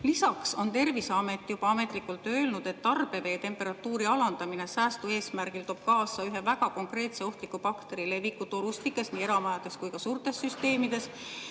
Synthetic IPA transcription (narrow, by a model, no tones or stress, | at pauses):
lisɑkso̞nt̪e̞rviseɑme̞t̪ːˑjub̥ɑɑme̞t̪ːˑlikːˑult̪ːø̞ːlnud̪̥e̞t̪ːɑrb̥e̞ve̞ːt̪e̞mpːe̞ɾɑt̪ːˑuːɾiɑlɑnd̪̥ɑmine̞sæːst̪ue̞ːsmærɡ̥ilt̪o̞ːb̥̚kɑːsɑyɦe̞væɡɑko̞ŋkre̞ːt̪se̞o̞ht̪likːˑupɑkt̪e̞ɾile̞vikːut̪o̞lust̪likːˑe̞sniːe̞ɾɑmɑjɑd̪̥e̞skujkɑsuːrt̪e̞sːyst̪e̞ːmid̪̥e̞s